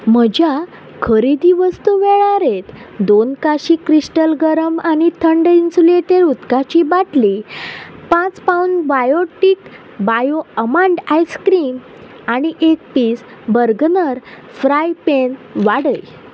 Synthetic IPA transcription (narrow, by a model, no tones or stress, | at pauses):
m̤əd͡ʑja | kʰəɾid̪iʋəst̪uʋeɭaɾet̪d̪onkaɕiːkɾisʈəlɡəɾəmañit̪ʰəɳɖinsuleʈeɾut̪kat͡ɕibaʈli | pãt͡spaunɖbajoʈik | bajoəmãɳɖajskɾim | aɽ̃iʔek̚piːs | bəɾɡnəɾ | fɾajpenʋaɽəj